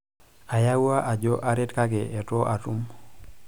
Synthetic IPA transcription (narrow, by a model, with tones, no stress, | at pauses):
a˨ja˦wu˦a˦ʔa˨d͡ʒɔ˦ʔa˦ɾe˦tka˦ɡe˨ʔɛ˨tɔ˦ʔa˨tu˦m